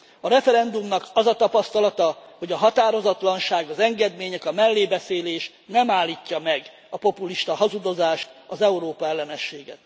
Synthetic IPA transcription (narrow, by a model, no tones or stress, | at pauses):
ɒɾɛfɛɾɛnd̪umnɒkɒzɒt̪ɒpɒst̪ɒlɒt̪ɒho̞ɟɒɦɒt̪aːɾo̞zɒt̪lɒnʃaːɡɒzɛŋɡɛd̪meːɲɛkɒmɛlːeːbɛseːleːʃ | nɛmaːlːiːcːɒmɛɡ | ɒpo̞puliʃt̪ɒɦɒzud̪o̞zaːʃt̪ɒzɛuɾoːpɒɛlːɛnɛʃːeːɡɛ̰t̪